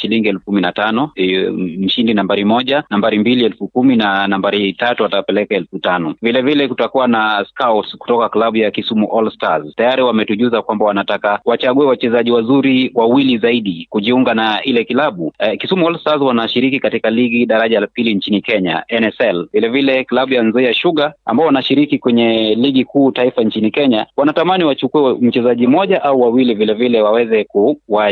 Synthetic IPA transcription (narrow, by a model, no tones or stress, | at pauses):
ʃiliŋɡiɛlfukuminatanɔ | m̩ʃindinambaɾimɔʄanambaɾimbiliɛlfukuminanambaɾitatuatapɛlɛkaɛlfutanɔvilɛvilɛkutakuwanaskawtku̥tɔkaklaɓujakisumuʔɔlstaztajaɾiwamɛtuʄuzakwambawanatakawat͡ʃaɠuɛwat͡ʃɛzaʄiwazuɾiwawilizaiɗikuʄiuŋɡanailɛkilaɓukisumuɔlstazwanaʃiɾikikatikaliɡiɗaɾaʄaapiliɲt͡ʃinikɛɲa̰ɛnɛsɛlvilɛvilɛklaɓujanzɔijaʃuɠaa̰mbaɔwanaʃiɾikikwɛɲɛliɡikuːtaifaɲt͡ʃinikɛɲawanatamaniwat͡ʃukuɛm̩t͡ʃɛzaʄimɔʄaʔauwawilivilɛvilɛwawɛzɛkuwa